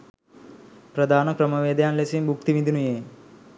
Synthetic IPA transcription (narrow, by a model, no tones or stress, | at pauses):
pɾɐd̪ʱaːnɐkɾɐmɐʋeːd̪jaːnlesimbʱukt̪iʋind̪inujeː